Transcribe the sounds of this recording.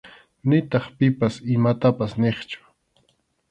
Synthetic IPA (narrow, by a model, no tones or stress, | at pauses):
nɪt̪ɑχpɪpasɪmat̪apasneχt͡ʃʊ̥